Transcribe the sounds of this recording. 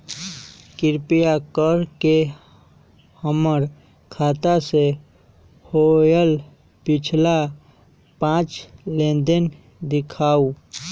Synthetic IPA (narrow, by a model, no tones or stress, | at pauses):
kɪɾpijakəɾke | həməɾ | kʰaːt̪ase | hojəl | pɪt͡ʃʰla | pãːt͡ʃlẽːnd̪ən | d̪ɪkʰaːu